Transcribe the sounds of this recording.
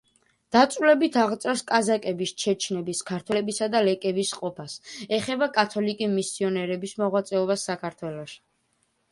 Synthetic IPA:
d̪̥at̪sʼlɛbit̪ʰaʁt̪sʼɛɾskʼazakʼɛbist͡ʃʰɛt͡ʃʰnɛbiskʰaɾt̪ʰwɛɛbisad̪alɛkʼɛbisqʼɔpʰasɛχɛbakʼat̪ʰɔlikʼimisiɔnɛɾɛbismɔʁwat̪sʼɛɔbasːakʰaɾt̪ʰwɛlɔʃi̥

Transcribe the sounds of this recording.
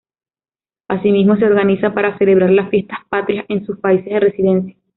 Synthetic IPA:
asimizmo̞se̞o̞ɾɣanisapaɾase̞le̞β̞ɾaɾlasfje̞st̪ḁhpat̪ɾjasʔe̞nsuspaisezðere̞siðe̞nsjḁ

